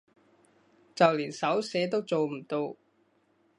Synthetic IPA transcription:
t͡sɐ˨wliː˨˩nsɐ˨˥wsɛː˨˥t̪o˥wt͡so˨wm̩˨˩t̪o˧w

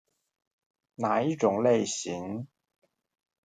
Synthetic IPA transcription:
naː˨˥i˥t͡sʊ˨˥ŋle˥˧jsiː˨˥n

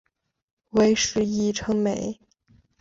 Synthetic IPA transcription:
we˧˥ɪʂɻ̩˧˥i˥ʈ͡ʂʰɤ˧˥ŋme˨˩˦ɪ

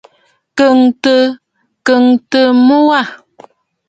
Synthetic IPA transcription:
kə˨ŋtə˦ | kə˨ŋtə˨mu˦wa˦˨

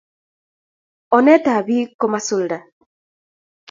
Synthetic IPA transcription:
ɔ˨nɛ˦ta˨βi˦ko˦ma˦su˦˨lda˨

